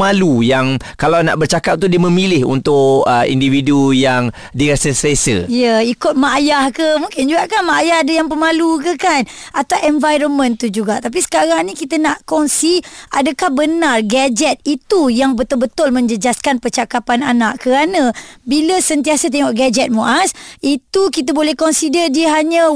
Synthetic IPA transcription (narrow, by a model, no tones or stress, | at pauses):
alujaŋkalawna̰ʔbərt͡ʃakap̚t̪udiəmə̃milɪhṵnt̪ʊʔəḭndividujaŋ | diɾasəsəsə̰jəikʊt̪̚majahkəmuŋkɪnd͡ʒuɡaʔkanmaajahadəjaŋpəmalukəkan | at̪awʔɛnvajɾɔnmə̃nt̪ud͡ʒuɡaʔt̪ap̬isə̥kaɾaŋnĩkit̪ənaʔkɔnsiʔa̰dəkahbənarɡad͡ʒɛt̪̚it̪ujaŋbət̪olbət̪ʊlmə̃ɲd͡ʒəd͡ʒaskanpərt͡ʃakapananaʔkəɾanə̃biləsənt̪iasət̪̬ɛŋɔʔɡad͡ʒɛt̪̚moʔasit̪ukit̪əbolɛhkɔnsidərdiəɦaɲə̃